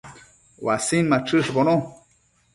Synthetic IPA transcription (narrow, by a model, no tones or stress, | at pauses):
wasinmaʈ͡ʂɨʂbono